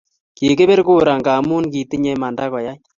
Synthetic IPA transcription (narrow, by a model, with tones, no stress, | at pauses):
ke˨ke˦be˦ɾku˦ɾa˨ŋɡaː˨mu˦nki˨tɪ˦ɲɛ˦ma˨nda˦kɔ˨ja˦ɲ